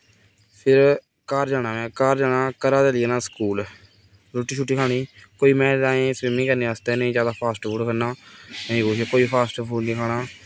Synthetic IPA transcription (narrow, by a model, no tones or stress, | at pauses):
pʰɪɾ | kəːɾd͡ʒaːɽaːʋɛ̃ːkəɾd͡ʒaːnãːkəɾaːd̪eːlɪnaːskuːl | ɾoːʈːiːt͡ʃʰuʈːiːkʰaːɽ̃iːkoːiːmɛ̃ːdaːẽːsimnĩːkəɾneːaːst̪eːnəĩːd͡ʒjaːd̪aːpʰaːsʈpʰuːɽkʰənaːnə̃ĩːkoʃekoːiːpʰaːsʈpʰuːɽniːkʰaːɽaː